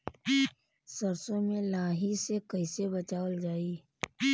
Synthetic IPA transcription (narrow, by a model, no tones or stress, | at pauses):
səɾsõmẽlaːɦisekɐɪsebɐt͡ʃaːʋəld͡ʒaːiː